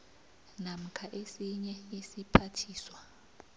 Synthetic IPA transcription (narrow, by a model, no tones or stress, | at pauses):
nam̩kʰaʔesiɲɛisipʰatʰiːswa